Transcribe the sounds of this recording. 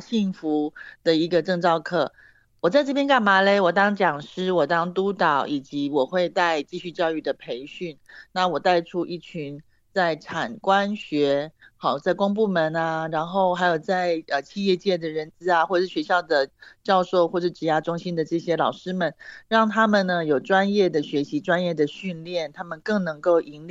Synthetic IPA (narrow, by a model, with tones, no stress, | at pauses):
ɕi˥˩ŋfu˧˥d̪̥ə˨i˧˥ɡə˧ʈ͡ʂɤ˥˧ŋt͡sɑ˥˧ʊkʰɤ˥˩ | wɔ˨˩t͡sa˥˧ɪʈ͡ʂɤ˥˩p̬jɛ˥nka˥˩nma˧˥le˥ɪwɔ˨˩t̪ɑ˥ŋt͡ɕjɑ˨˩ŋʂɻ̩˥wɔ˨˩t̪ɑ˥ŋt̪u˥t̪ɑ˨˩˦ʊʔi˨˩t͡ɕi˧˥wɔ˨˩xwe˥˧ɪt̪a˥˧ɪt͡ɕi˥˧ɕy˥˧t͡ɕjɑ˥˧ʊy˥˩d̪ə˩pʰe˧˥ɪɕy˥˩nna˥˩wɔ˨˩t̪a˥˩ɪʈ͡ʂʰu˥ʔi˥˩t͡ɕʰy˧˥˦n | t͡sa˥˩ɪʈ͡ʂʰa˨˩nkwa˦˥nɕɥɛ˧˥xɑ˨˩ʊt͡sa˥˩ɪkʊ˥ŋp̬u˥˩mə˧˥na˧ɻa˧˥nxo˥˩ʊxa˧˥ɪjo˨˩ʊt͡sa˥˩ɪə˨˩t͡ɕʰi˥˧jɛ˥˧t͡ɕjɛ˥˩d̪ə˩ɻə˧˥nt͡sɹ̩˧˥a˨xwɔ˥˩ʂɻ̩˥˩ɕɥɛ˧˥ɕjɑ˥˩ʊd̪ə˩t͡ɕjɑ˥˧ʊʂo˥˧ʊxwɔ˥˧ʂɻ̩˥˩ʈ͡ʂɻ̩˧˥ja˥ʈ͡ʂʊ˥ŋɕi˥nd̪ə˨ʈ͡ʂɤ˥˩ɕjɛ˥lɑ˨˩ʊʂɻ̩˥mə˨nɻɑ˥˩ŋt̪ʰa˥mə˨nnə˧jo˨˩ʊʈ͡ʂwa˥njɛ˥˩d̪ə˩ɕɥɛ˧˥ɕi˧˥ʈ͡ʂwa˥njɛ˥˩d̪ə˩ɕy˥˧nljɛ˥˩nt̪ʰa˥mə˨nkɤ˥˩ŋnɤ˧˥ŋko˥˩ʊʔi˧˥nli˥